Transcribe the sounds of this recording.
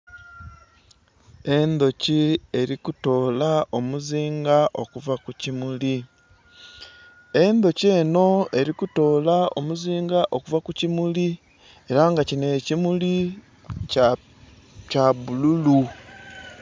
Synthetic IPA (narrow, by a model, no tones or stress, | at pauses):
e̞nd̪o̞cie̞ɾikuto̞ːlaʔomuziːŋɡaʔo̞kuvakucimuli | e̞nd̪o̞ce̞ːno̞e̞ɾikuto̞ːlaʔo̞̰muziːŋɡaʔo̞kuvakucimuli | e̞ɾaŋɡacine̞ːcimuli | c | caβululu